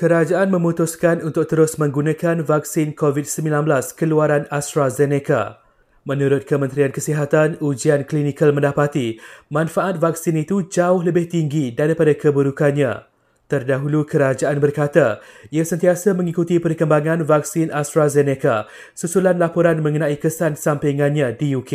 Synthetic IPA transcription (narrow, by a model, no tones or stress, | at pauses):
kəɾad͡ʒaʔanmə̃mũt̪ʊskanunt̪ʊk̚t̪əɾʊsmə̃ŋɡunãkanvak̚sɪnkovit̪̚səmbĩlanbəlaskəluaɾanast̪ɾazeneka̰ | mə̃nũɾʊt̪̚kəmə̃nt̪ɾiankəsiɦat̪anud͡ʒianklinikalmə̃ndapat̪imãnfaʔat̪̚vaksɪnit̪ud͡ʒaʊɦləbɪht̪iŋɡidaɾipadakəbəɾukanɲã̰ | t̪ərdaɦulukəɾad͡ʒaʔanbərkat̪aiasənt̪iasamə̃ŋikut̪ipərkəmbaŋãnvak̚sɪnast̪ɾazɛneka̰ | susulanlapɔɾanmə̃ŋənãikəsansampiŋãnɲãdijuke